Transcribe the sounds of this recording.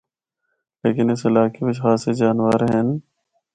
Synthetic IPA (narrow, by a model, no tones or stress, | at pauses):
leːkɪnɪsɪlaːkibɪt͡ʃxaːsed͡ʒaːnʋaːɾɦen